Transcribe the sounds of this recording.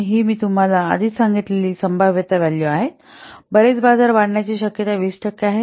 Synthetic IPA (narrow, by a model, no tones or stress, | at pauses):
ɦiːmiːt̪um̤ala̰ːd̪ʱiːt̪saŋɡit̪leliːsəmbʱaʋjət̪aʋaljoaɦet̪ | bəɾet͡sbad͡zaɾbaɽ̤ɳjat͡ɕiːɕəkjət̪aʋiʂʈəkːaɦe